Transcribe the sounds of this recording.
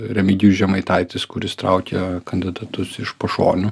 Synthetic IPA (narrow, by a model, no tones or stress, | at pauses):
ɾʲɛmʲɪɡʲuːʒʲɛmɐɪt̪ɐɪt̪ʲɪskʊɾʲɪst̪ɾɑ̰ʊkʲɛkɐnʲd̪ʲɪd̪ɐt̪ʊsɪʃpɐʃo̰ːnʲʊ